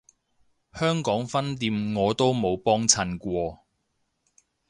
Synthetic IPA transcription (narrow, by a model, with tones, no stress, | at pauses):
hœː˥ŋkɔː˨˥ŋfɐ˥nt̪iː˧mŋɔː˨˧t̪o˥wmo˨˧wpɔː˥ŋt͡sʰɐ˧nkʷɔː˧